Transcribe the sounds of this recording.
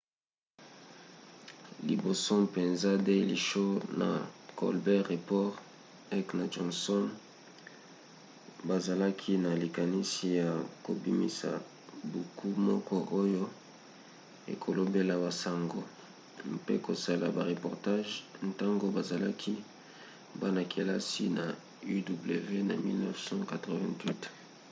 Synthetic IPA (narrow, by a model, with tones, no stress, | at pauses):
li˨bo˨sɔ˦pe˨nza˦de˦˨li˨ʃo˦na̰˨kɔ̰˨lbɛ˦ʁe˨pɔ˦ʁ | ɛ˦kna˨d͡ʒɔ˨nsɔ˦n | ba˨za˨la˦kʰi˦na˨li˨ka˨ni˦si˨ja˨ko̰˨bi˦mḭ˦sa̰˨ | bu˨kʰu˦mɔ˦kɔ˦ʔo˦jo˦ | ḛ˨kʰo˨lo˦be˦la˨ba˨sa˨ŋɡo˦ | mpḛ˦ko˨sa˦la˨ba˨ʁe˨pɔ˨ʁta˦ʒn˦ta˦ŋɡo˦ba˨za˨la˦kʰi˦ | ba˦na˨kʰe˨la˦si˦na˨ | y˦du˨ble˨ve˦na˨mḭ˦lnɛ˦fsɑ̃˦ka˨tʁo˨vɛ̃˦ntwi˦t